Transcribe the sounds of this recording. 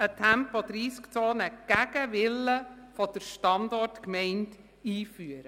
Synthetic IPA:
ətʰæmpɔd̪̥ɾiːskt͡soːnəɡ̥æɡəʋɪlːəfɔd̥əɾʃtɑndɔrtkmɛɪnt | iːfyəɾə

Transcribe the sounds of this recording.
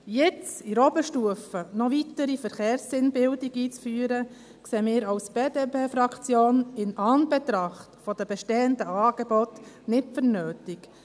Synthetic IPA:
jɛt͡siɾɔbəʃtuəfənɔvitəɾifəɾχeːɾsːɪnbɪldɪɡiːt͡sfyːɾə | kseːmɪːɾɑʊsb̥eːdeːpʰeːfɾɑkt͡sjoːnɪnɑnb̥ɛt̪ɾɑχtfɔd̥̪əbɛʃteːənd̪əɑːɡ̥ebɔt | nɪtfəɾnøːtɪk

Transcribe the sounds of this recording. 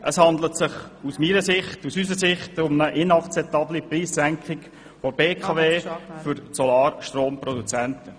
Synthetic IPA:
əshɑnd̪lətsɪχusmiːɾəsɪχtusys̬əsɪχtʊməʔɪnɑkt͡sɛp̚t̪ɑblipriːsːæŋkχɪk | fɔb̥eːkʰɑveːfʏɾsɔlɑːɾʃtroːmpɾɔd̪ut͡sɛntə

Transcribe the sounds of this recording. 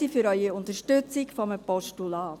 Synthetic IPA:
ifyɾœʏiʊnt̪əʃtøt͡sɪkfɔməpɔʃtulɑːt

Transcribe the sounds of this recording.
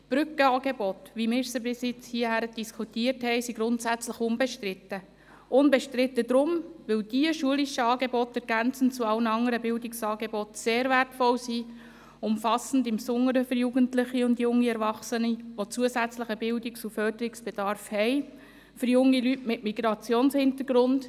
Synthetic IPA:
b̥ɾʏkəɑːɡebɔtʋimɪːɾsəbɪsɪt͡shiəhæɾəd̥iskʰutiəɾthɛɪsiɡɾʊntsæt͡sləχʊnbeʃtrɪtːə | ʔʊnbeʃtɾɪtːədɾʊmʋɪld̥iəʃuəlɪʃəɑːɡebɔtɛɾɡ̥ænt͡sən̩t͡suɑlnəɑŋəɾəbɪldɪksɑːɡebɔtseːɾvɛrtfɔlsi | ʊmfɑsn̩dɪmsʊŋːəɾəføɾjuɡəntlɪχiʊndjʊŋːiɛɾvɑχsəniʋot͡suəsæt͡sləχəbɪldɪksufœrd̥əɾiksb̥ed̥ɑɾfhɛɪ | fʏɾjʊŋːilytmɪtmiɡɾɑt͡sjoːnshɪntəɾɡɾʊnd

